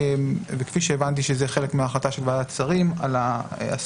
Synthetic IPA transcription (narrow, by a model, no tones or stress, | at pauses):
vekfiʃeːvant̪iʃezeχe̞le̞kmeaːχlat̪aʃelvalat͡saʁimalaa̰s